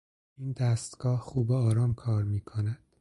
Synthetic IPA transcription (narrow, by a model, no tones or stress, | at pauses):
iːnd̪æːst̪ɡ̥ɒːhxuːbeɒːɾɒːmkʰɒːɾmiːkʰonæd̪̥